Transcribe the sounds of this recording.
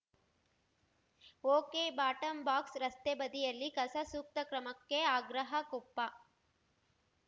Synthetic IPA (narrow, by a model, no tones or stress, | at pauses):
oːkeːbaːʈɐmbaːksɾɐst̪ebɐd̪ijɐlːikɐsɐsuːk̚t̪ɐkɾɐmɐkːeaːɡɾɐɦɐkopːɐ